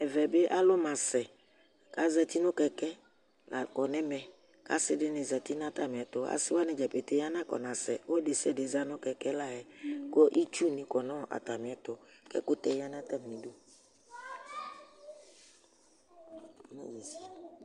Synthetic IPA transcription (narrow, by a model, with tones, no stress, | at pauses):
ɛ˨vɛ˨be˦ʔa˦lʊ˦mã˨sɛ˨ | ka˦zɛ˨t̪i˦nʊ̃˦kɛ˨kɛ˦ | la˨kɔ˨nɛ̃˦mɛ̃˨ | ka̰˦sɪ˦dɪ˦nɪ̃˨zɛ˨t̪i˦n˦ã˦t̪a˨mɪ̃˨ɛ˨t̪ʊ˨a̰˨sɪ˦wa˦nɪ̃˨d͡ʒɛ˨pe˨t̪e˦ja˦nã˦kɔ̰˨nã˨sɛ̰˨wo˦de˨sɛ˦dɪ˨za˦nʊ̃˦kɛ˨kɛ˦la˨ɛ˨ko˦ʔi˦t͡ʃu˦nɪ̃˨kɔ˨nɔ̃˦˨ʔa̰˨t̪a˨mɪ̃˨ɛ˨t̪ʊ˨kɛ̰˦kʊ˦t̪ɛ˦ja˦nã˦t̪a˦m˨nĩ˨do˦˨ | nã̰˦je˨si˨